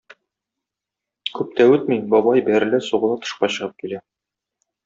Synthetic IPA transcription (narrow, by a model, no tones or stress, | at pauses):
kʉp̚t̪æʉt̪̚mibɒbɑjbæɾlɘsuʁɤ̆lˠɑt̪ŏ̥ʃqɑɕɤ̆ʁɤp̚kilæ